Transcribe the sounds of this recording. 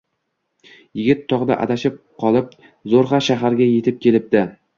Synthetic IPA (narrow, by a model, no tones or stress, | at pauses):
jɪɡʲɪt̪ʰːɒʁd̪a̰ʔa̰d̪aʃɪp̚qʰɒlˠɪp̚ | zoɾχɑʃaɦaɾɡʲaje̞t̪ʰɪp̚kʲe̞lɪp̚d̪ɪ